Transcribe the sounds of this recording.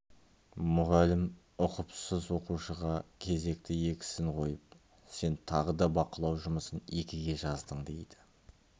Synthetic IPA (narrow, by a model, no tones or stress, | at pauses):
mʊʁɑlɪm | ʊqʊpsəzwo̞quʃəʁɑkʲʰe̞ze̞k̚t̪ɪje̞kʲɪ̥sɪŋqʰo̞jəp̚ | se̞nt̪ʰɑʁəd̪ɑbɑqəlˠɑwʒʊməsəne̞kʲɪɡʲe̞ʒɑzd̪əɴd̪e̞jd̪ɪ̥